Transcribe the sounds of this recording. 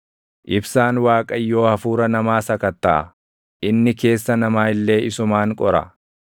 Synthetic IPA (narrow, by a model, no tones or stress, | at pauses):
ʔɪbsaːnwaːkʼɐjːo̞ːhɐfuːɾɐnɐmaːsɐkɐt̪ːɐʔɐ̰ | ʔɪnːɪke̞ːsːɐnɐmaːɪlːe̞ːɪsʊmaːŋkʼɔɾɐ̰